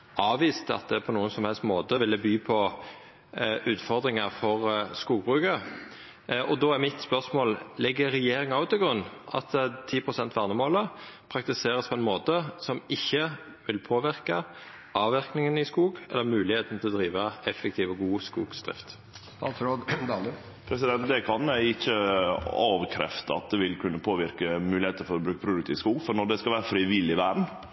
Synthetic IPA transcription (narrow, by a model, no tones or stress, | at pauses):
ɑːʋiːst̪ɑ̰t̪̚d̪ɛpʰɔnuːənsɔmhɛlst̪moːt̪əʋɪld̪ɛbyːpʰɔ | ʉːt̪fɔʁd̪ʁɪŋəʁfɔʁskuːɡ̚bʁʉːkə | ɔd̪oːæɾmɪt̪spœʁsmoːllɛɡəʁɛjeːɾɪŋɑʊt̪ʰɪɡʁʉnːɑ̰t̪t̪ʰiːpʰʁʊsɛnt̪ʰʋæʁnəmoːləpʰʁɑk̚t̪ɪseːɾəspʰɔɛnmoːt̪əsɔmɪçːə | ʋɪlpʰoːʋɪɾkə | ʔɑːʋɪɾknɪŋənɪskuːɡɛ̰lːəɾmʉːlɪheːt̪n̩t̪ʰɪlɔd̪ɾiːʋəɛfːɛk̚t̪ʰiːʋəɡuːskuːɡsd̪ʁɪ̰ft̪ | st̪ɑːt̪sɾoːd̪ | pʰɾɛs̬ɪd̪ɛnt̪̚d̪ɛkʰɑnɪçːəɑːʋəkʰɾɛ̰ft̪əɑ̰t̪̚d̪ɛʋɪlkʰʉnːəpʰoːʋɪɾkəmʉːlɪheːt̪əɾfɔɾɔbɾʉːkəpʰɾʊd̪ʉk̚t̪ʰɪːʋskuːɡfɔɾnɔɖ̪ɛskɑʋæːɾəfɾɪːʋɪlːɪʋæːɖɳ̩